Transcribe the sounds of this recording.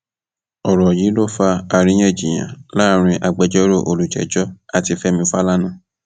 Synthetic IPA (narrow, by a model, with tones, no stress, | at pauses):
ɔ˨ɾɔ˨ji˨˦lo˦˨fa˧a˧ɾ̃ĩ˧˦j̃ɛ̃˦˨d͡ʒi˨j̃ã̰˨la˦˨ɾ̃ĩ˧ʔa˨ɡ͡bɛ˧d͡ʒɔ˦ɾo˦˨ʔo˨lu˨d͡ʒɛ̰˨d͡ʒɔ˦a˧ti˧fɛ˦mĩ˧fa˦la˦nã˦˨